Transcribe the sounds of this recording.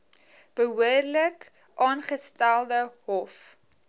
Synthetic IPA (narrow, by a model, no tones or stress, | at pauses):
b̥əɦuərlək | ʔɑːnχəstælˠdəɦɔf